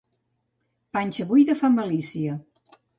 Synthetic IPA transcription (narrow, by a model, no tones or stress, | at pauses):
panʲt͡ʃəβujðəfaməlisiə